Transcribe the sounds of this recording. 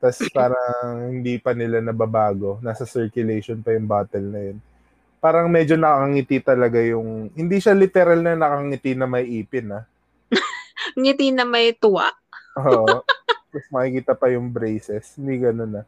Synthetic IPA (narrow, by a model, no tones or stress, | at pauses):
t̪aspaːɾɐŋhɪnd̪ipɐnɪlanɐbɐbaːɡo̞naːsɐsɛɹkjʊlejʃonpɐjʊŋbaːt̪ɛlnɐjon | paːɾɐŋmɛd͡ʒo̞nɐkɐkɐŋɪt̪it̪ɐlɐɡajʊŋhɪnd̪iʃɐlɪt̪ɛɾalnɐnɐkɐɐŋɪt̪inɐmɐjʔiːpɪnɐ | ŋɪt̪inɐmɐjt̪ʊwa̰ʔʔoːʔpɐsmɐkikiːt̪ɐpɐjʊŋbɾejsɛshɪnd̪iɡɐno̞nɐ